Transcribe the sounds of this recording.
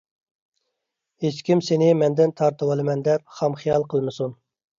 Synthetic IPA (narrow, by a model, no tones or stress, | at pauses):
het͡ʃkʲimsenɪmɛnd̪ɪnt̪ʰɑɾt̪ʰɨwɑlˠɨmɛnd̪ɛp̚χɑmχijɑlˠqʰəlˠmɨsun